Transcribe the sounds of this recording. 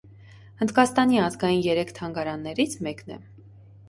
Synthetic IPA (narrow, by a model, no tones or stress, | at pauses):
ənd̪kɑst̪ɑniɑzɡɑjinjɛɾɛkʰt̪ʰɑŋɡɑɾɑnːɛɾit͡sʰmɛknɛ̰